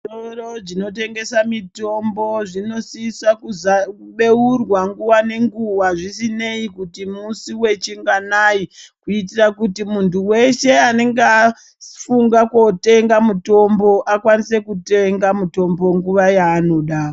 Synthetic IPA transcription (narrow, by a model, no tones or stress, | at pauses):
orod͡ʒino̞te̞ŋɡe̞samito̞mbo̞ʐino̞sisakuzakuɓe̞urwaŋɡuʋane̞ŋɡuwaʐisine̞ikutimusiwe̞t͡ʃiŋɡanajikuit̬irakutimuntuwe̞ʃe̞aneŋɡa | fuŋɡakwo̞te̞ŋɡamuto̞mbo̞ʔakwanise̞kuteŋɡamuto̞mbo̞ŋɡuʋajaːno̞ɗaː